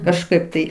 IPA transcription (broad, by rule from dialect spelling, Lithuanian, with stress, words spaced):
kɐʃˈkɐɪp tɐɪ